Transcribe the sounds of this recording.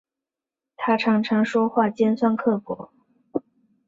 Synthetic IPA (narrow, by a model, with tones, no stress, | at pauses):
t̪ʰa˥ʈ͡ʂʰɑ˧˥ŋʈ͡ʂʰɑ˧˥ŋʂwɔ˥xwa˥˩t͡ɕjɛ˥nswa˥˧nkʰɤ˥˩kwɔ̰˧˥